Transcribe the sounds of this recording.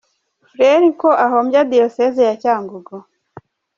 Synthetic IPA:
fɾeɾikoʔaɦoːmbjadiosezijacaːŋɡuɡo

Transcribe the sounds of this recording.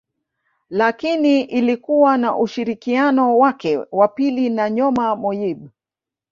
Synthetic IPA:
lakiniʔilikuwanaʔuʃiɾikianɔwakɛwapilinaɲɔmamɔjiɓ

